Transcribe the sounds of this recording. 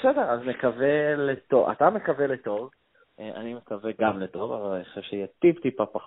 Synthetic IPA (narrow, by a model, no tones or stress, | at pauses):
sedeʁazmekavelet̪oa̰t̪amekaveleto̞v | ʔeʔa̰nimekaveɡamled̪ovavalaniχḁʃevʃeijet̪ivt̪ipapaχ